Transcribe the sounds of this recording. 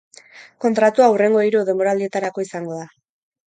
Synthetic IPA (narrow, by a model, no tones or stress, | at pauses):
ko̞nt̪ɾat̪uaure̞ŋɡo̞ejɾuð̞e̞mbo̞ɾald̪ie̞t̪aɾako̞isaŋɡo̞ða